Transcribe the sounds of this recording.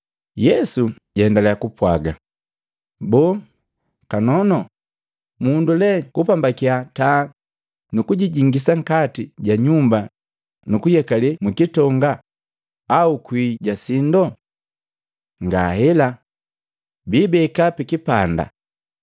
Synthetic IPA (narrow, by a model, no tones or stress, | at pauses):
jɛsuɟɛɛndalɛjakupwaɡa | bɔː | kanɔnɔ | mundulɛkupambakiata | nukuɟiɟiŋɡisaŋ̩katiɟaɲumba | nukujɛkalimikitɔŋɡaː | ukwiːɟasindɔ | ŋɡahɛla | biːbɛkapikipanda̰